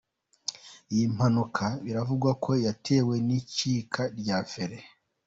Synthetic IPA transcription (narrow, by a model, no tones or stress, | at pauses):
jim̥hanukʰaβiɾavuɡwakʰo̞jatʰe̞ːwe̞nicikʰaɾɟafeɾe